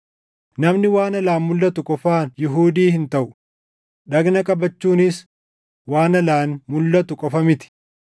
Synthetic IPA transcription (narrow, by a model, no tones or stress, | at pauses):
nɐmnɪwaːnɐlaːnmʊlːɐt̪ʊkʼɔfaːnjɪɦuːd̪iːhɪnt̪ɐʔʊ | ɗɐɡnɐkʼɐbɐt͡ʃːuːnɪs | waːnɐlaːnmʊlːɐt̪ʊkʼɔfɐmɪt̪ɪ̥